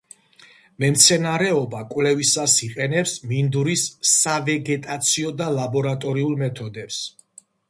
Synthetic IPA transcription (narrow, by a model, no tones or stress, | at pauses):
mɛmt̪sʰɛnaɾɛɔbakʼwvlɛvisasiqʼɛnɛpsmind̪uɾisːavɛɡɛt̪ʼat̪sʰiɔd̪alabɔɾat̪ʼɔɾiulˠmɛt̪ʰɔd̪ɛps